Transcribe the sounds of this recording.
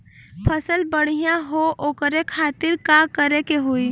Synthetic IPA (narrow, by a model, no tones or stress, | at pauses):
pʰəsəlbəɽ̤ijãɦoʔokəɾekʰat̪iɾkakəɾekeɦoi